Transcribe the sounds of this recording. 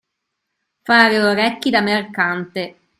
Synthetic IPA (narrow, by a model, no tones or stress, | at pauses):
faːɾeoɾɛkːid̪amerkant̪e